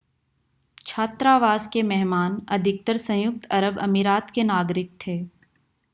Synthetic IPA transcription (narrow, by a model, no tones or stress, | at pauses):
t͡ʃʰaːt̪ɾaːʋaːzkemɛɦmaːnɐd̪ʱɪk̚t̪əɾsɐ̃jʊk̚t̪ɐɾəbɐ̰miɾaːt̪kenaːɡɾɪk̚t̪ʰeː